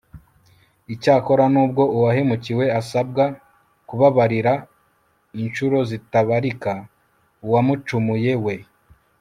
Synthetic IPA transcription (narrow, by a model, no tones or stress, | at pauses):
icaːko̞ɾanuːb̚ɡo̞ʔuwaɦe̞muciwe̞asab̚ɡa | kuβaβaɾiɾa | inʃuɾo̞zitaβaɾika | uwamut͡ʃumuje̞we̞